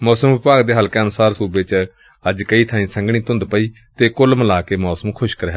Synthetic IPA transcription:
mɔːsəmʋɪpaːɡd̪eːɦəlkeːənʊsaːɾsuːbeːt͡ʃ | əd͡ʒkəiːt̪ʰãːĩːsə̃ŋɡɽ̃ĩːt̪ʊ̃nd̪pəiː | t̪eːkʊlməlaːkeːmɔːsəmkʰʊʃkəɾeːɦ

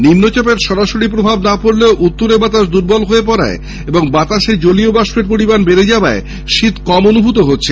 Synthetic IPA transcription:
ninːot͡ɕɔpeɾʃɔɾaʃoɽipɾobʱabnapoɾleoʔut̪ːoɾebat̪aʃd̪uɾbɔlɦoep̬ɔɾa̰e | eboŋbat̪aʃed͡ʑoliobaʃeɾpoɾibanbeɾed͡ʑaoae | ʃit̪kɔmonubʱut̪oɦotːɕʰe

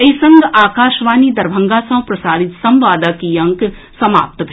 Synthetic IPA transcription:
eisɐ̃ŋɡaːkaːʃʋaːnid̪ɐɾbʱɐ̃ŋɡaːsɐ̃pɾɐsaːɾɪt̪sɐ̃mʋaːd̪akiɐ̃ŋk | sɐma̰ːp̚t̪bʱ

